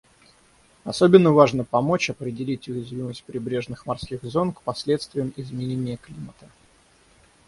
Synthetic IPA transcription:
ɐsobʲɪnːəvaʐnəpɐmo̞t͡ɕɐpɾʲɪdʲɪlʲitʲʊjɪzvʲiməsʲt̚ʲpɾʲɪbɾʲe̞ʐnɨxmɐrskʲiɣzo̞nkpɐsʲlʲet̪st̪vʲɪjəmɪzmʲɪnʲenʲɪjəklʲimət̪ə̥

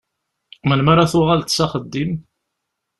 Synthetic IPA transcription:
mənmaɾaθʊʁalt̪saχəd̪ːim

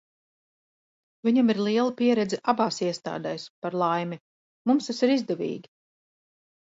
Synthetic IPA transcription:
vʲiɲamiɾlˠiɛlˠapiɛɾɛd̪zɛʔabaːsiɛst̪a̰ːd̪ɛjspaɾlˠajmʲi | mumst̪asiɾizd̪ɛvḭːɡʲi

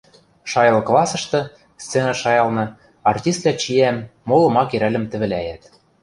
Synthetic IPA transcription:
ʃɑjɤlklˠɑsɤ̆ʃt̪ɤ̆ | st͡senɑʃɑjɑlˠnɤ̆ | ɑrtʲist̪̚læt͡ɕiæmːolɤ̆mɑkeɾælɘ̆mt̪ɘ̆βɘ̆læjæt̪

